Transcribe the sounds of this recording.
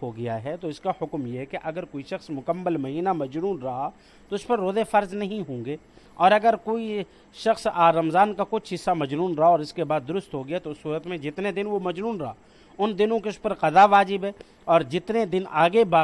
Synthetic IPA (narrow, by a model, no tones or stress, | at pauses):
ɦoɡɐjaɦɛt̪oɪskahʊkmjekeʔɐɡəɾkoːiʃɐxsmʊkəmːəlmɐɦiːnamɐd͡ʒnuːnɾɐɦa | t̪oʊspɐɾːoːzefɐɾznɐɦĩɦõːŋɡeː | ɔːɾɐɡəɾkoːi | ʃɐxsaːɾɐmzaːnkakʊt͡ʃʰɦɪsːamɐd͡ʒnuːnɾɐɦaɔːɾɪskebaːd̪̚ːʊɾʊst̪ɦoɡɪjat̪oʊsːuːɾət̪mẽd͡ʒɪt̪ned̪ɪnʋomɐd͡ʒnuːnɾɐɦaː | ʊnd̪ɪnõkeʊspɐɾqɐzaʋaːd͡ʒɪbɦɛː | ɔːɾd͡ʒɪt̪ned̪ɪnaːɡebaː